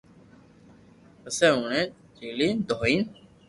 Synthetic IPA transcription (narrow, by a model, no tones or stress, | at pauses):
əsẽːuɳẽː | d͡ʒiːliːnd̪ʱoːiːn